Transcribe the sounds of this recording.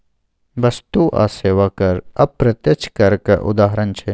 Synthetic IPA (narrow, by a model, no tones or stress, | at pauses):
ʋɐst̪uʔa̰ːseːʋakɐɾɐb̚pɾɐt̪jət͡ʃʰkɐɾkḛʔʊ̰d̪aːɦɾənt͡ʃʰe